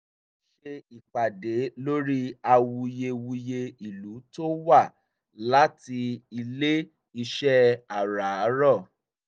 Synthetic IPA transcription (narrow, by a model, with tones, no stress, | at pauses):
ʃe˧i˨k͡pa˨de˨˦lo˦ɾi˦a˧wu˧je˧wu˧je˧i˨lu˨˦to˦wa˦˨ | la˨˦ti˧i˧le˦ | i˧ʃɛ˦a˨ɾa˨˦ɾɔ˦˨